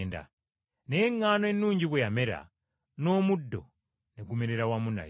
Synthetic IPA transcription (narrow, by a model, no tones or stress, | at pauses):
nda̰ | neŋːanoenːuːɲɟiβwejameɾa̰ | no̞ːmudːo̞̰ | neɡumeɾeɾawamuna̰j